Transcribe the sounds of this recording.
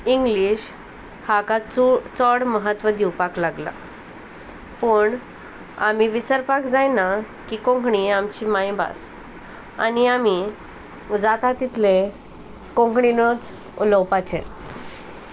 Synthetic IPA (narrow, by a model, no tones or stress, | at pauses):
iŋɡliɕ | hakat͡sɔɽməɦət̪ʋəd̪iwpaklaɡla̰ | pəɳ | amiʋisəɾpakd͡zajna | kiːkõŋkɳiamt͡ɕiːmajba̰s | a̰niami | d͡zat̪at̪it̪ʰle | kõŋkɳinət͡s | uləwpat͡ɕḛ